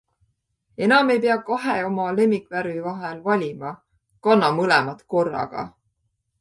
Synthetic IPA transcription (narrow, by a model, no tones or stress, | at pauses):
e̞nɑme̞jp̬e̞ɑkɑɦeo̞mɑle̞mːikvæɾvyvɑɦelvɑlʲimɑ | kɑnːɑmɤlɛmɑt̪ko̞rːɑ̰ɡ̥ɑ̰